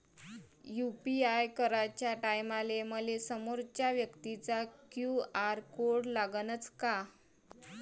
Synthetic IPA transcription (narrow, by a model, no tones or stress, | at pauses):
jupiajkəɾat͡ɕjaʈajmaleməlesəmoɾt͡ɕjaʋjəkt̪it͡sakjuaɾkoɽlaɡənət͡ska